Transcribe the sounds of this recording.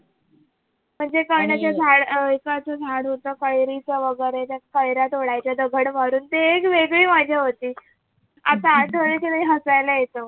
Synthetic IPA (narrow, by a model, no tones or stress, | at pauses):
m̤əɳd͡zekəɳjat͡ɕjad͡zʱaɽikat͡səd͡zʱaɽɦot̪əːkəjɾit͡səʋəɡəɾet̪jakəjɾat̪oɽajt͡ɕjad̪əɡʱəɽmaɾuːnt̪eːkʋeɡɭiːmad͡ʑʱaɦot̪iː | a̰t̪aːʈʰəɾkenaiɦəsajlajet̪ə